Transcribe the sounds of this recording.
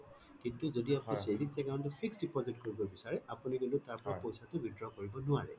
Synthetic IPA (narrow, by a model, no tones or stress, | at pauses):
kintuzodiapʊnisediksɛkaɔ̃ntɔpʰiksdipɔzitkoɹibɔbisaɹɛapunikuntutaɹpɔɹapojsatʊbidɹɔkoɹibɔnʊaɹɛ̰